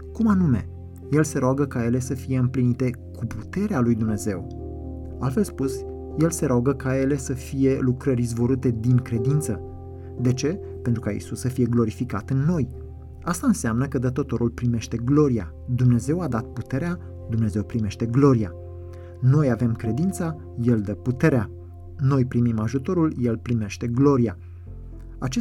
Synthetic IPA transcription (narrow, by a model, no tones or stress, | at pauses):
kumanume̞̰ | je̞lse̞ɾoaɡəkaje̞le̞səfije̞ɨmplinit̪e̞ | kuput̪e̞ɾealujd̪umne̞ze̞̰w | alfe̞lspus | je̞lse̞ɾoaɡəkaje̞le̞səfije̞lukɾəɾzvo̞ɾut̪e̞d̪iŋkɾe̞d̪int̪sə | d̪e̞t͡ʃe̞ | pe̞nt̪ɾukaḭsusəfije̞ɡlo̞ɾifikat̪ɨnːo̞j | ast̪aɨnseamnəkəd̪ət̪o̞t̪o̞ɾulpɾime̞ʃt̪e̞ɡlo̞ɾija̰ | d̪umne̞ze̞wad̪at̪̚put̪e̞ɾea | d̪umne̞ze̞wpɾime̞ʃt̪e̞ɡlo̞ɾija | no̞jave̞mkɾe̞d̪int̪sa | je̞ld̪əput̪e̞ɾea | no̞jpɾimimaʒut̪o̞ɾulje̞lpɾime̞ʃt̪e̞ɡlo̞ɾija | at͡ʃe